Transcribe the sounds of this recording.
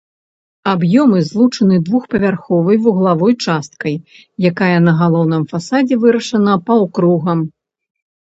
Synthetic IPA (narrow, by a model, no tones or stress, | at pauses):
abjɔmɨzlˠut͡ʂɐnɨd̪vuxpɐvʲarxɔvɐjvuɣlˠavɔjt͡ʂast̪kɐj | jakajɐnɐɣalˠɔwnɨmfasad͡zʲɛvɨɾɐʂɐnɐpɐwkɾuɣɐm